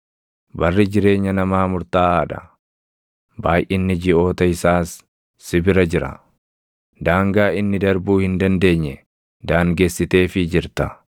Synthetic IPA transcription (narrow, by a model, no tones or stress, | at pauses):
bɐrːɪd͡ʒɪɾe̞ːɲːɐnɐmaːmʊɾt̪aːaːᶑɐ̰ | baːjʔɪnːɪd͡ʒɪo̞ːt̪ɐɪsaːsː | ɪbɪɾɐd͡ʒɪɾɐ̰ | d̪aːŋɡaːɪnːɪd̪ɐɾbuːhɪnd̪ɐnd̪e̞ːɲːɛ | d̪aːŋɡe̞ːsːɪt̪e̞ːfɪd͡ʒɪɾt̪ɐ